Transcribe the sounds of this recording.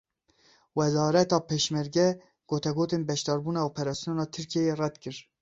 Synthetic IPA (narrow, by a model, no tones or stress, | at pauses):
wɛzɑːɾɛt̪ɑːpʰeːʃmɛɾɡɛ | ɡ̥oːt̪ʰɛɡoːt̪eːnbɛʃd̪ɑːɾbuːnɑːoːpʰɛɾɑːsijoːnɑːt̪ʰɨɾkʰiejeːrɛd̪kɨɾ